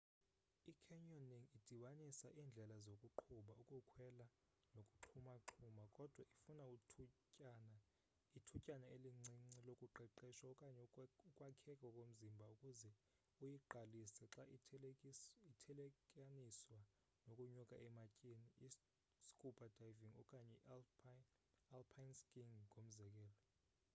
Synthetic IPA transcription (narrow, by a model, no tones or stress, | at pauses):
ikʰɛɲɔniŋid̥ʱiɓanisaʔiːnd͡ɮʱɛlazokʼuǃʰuɓaukʼukʰwɛla | nokʼuǃʰumaǁʰumakʼɔd̥ʱwaifunau | ana | itʰucʼanaeliŋ͡ǀiŋ͡ǀilokʼuǃɛǃiʃwaɔkʼaɲɛukʼwakʰɛkʼɔkʼom̩zimbʱaukʼuzɛ | ujiǃʱalisɛǁa | itʰɛlɛkʼaniswa | nokʼuɲɔkʼa̰ʔɛmacʼinii | skʼupʼad̥ʱaiviŋɔ̰kʼaɲɛ | alpʰanskʼiŋkʼom̩zɛk̬ʼɛːlɔ